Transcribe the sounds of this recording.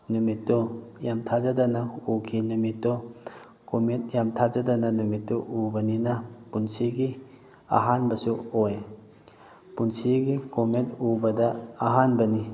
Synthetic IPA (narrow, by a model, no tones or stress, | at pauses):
numitːɔjamtʰazadanaukʰinumitːɔ | komit̚jamtʰazadananumitːuʔubɐninapunsiɡi | a̰ɦanbɐsuoj | punsiɡikomet̚ubɐdaːɦanbɐni